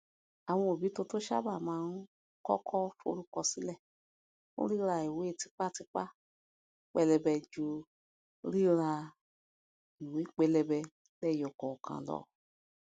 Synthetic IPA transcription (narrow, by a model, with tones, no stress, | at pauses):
a˨w̃ɔ̃˧o˨bi˨˦to˧to˦ʃa̰˦ba˦˨mãː˨˦˧n̩˦ | kɔ̰˦kʰɔ˦fo̰˦˧˦ɾu˦kɔ˧si˨˦lɛ˦˨ | o̰˦ɾi˦ɾa˧i˨we˨˦e˦˨ti˨˧˦k͡pa˦˨ti˧k͡pa˦ | k͡pɛ˧lɛ˧bɛ˧d͡ʒu˧˦ | ɾi˦ɾa˧ | i˨we˨˦k͡pɛ˧lɛ˧bɛ˧ | lɛ˦˨jɔ˨kɔ˨ɔ˨kʰã̰˨lɔ̰˨